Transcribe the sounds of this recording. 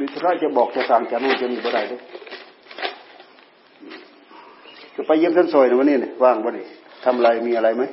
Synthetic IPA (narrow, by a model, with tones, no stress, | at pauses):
miː˧˩t̪ʰu˧ɾaː˧˨jt͡ɕa˧˨bɔː˨˩k̚t͡ɕa˧˩saː˨˩ŋt͡ɕa˨˧˦naː˧˩t͡ɕe˧˨ni˧˩bɔ˧ɾa˧˩jdɯ˧˩ | ʔː | ka˧˨pa˧ji˧˨msʰa˧˥˨nsɔː˨˩jna˧˨wa˧nːiː˧˨na˧˩waː˧˩˨ŋbɔ˧ni˧˩ | t̪ʰa˧mlaː˧jmiː˧˨a˧ɾa˧jma˦˥˦